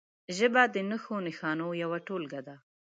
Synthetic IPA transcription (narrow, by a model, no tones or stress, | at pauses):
ʒəbad̪ənəxonɪxɑnojawaʈolɡad̪a